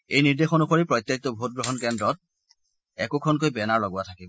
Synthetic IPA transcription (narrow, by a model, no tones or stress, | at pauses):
ejniɹdexɔnuxoɹipɹɔjt̪ːaitɔbʱot̚ɡɹɔɦɔnkɛndɹɔt̚ | ɛkokʰɔnk̬ojbɛnaɹlɔɡʊatʰakibɔ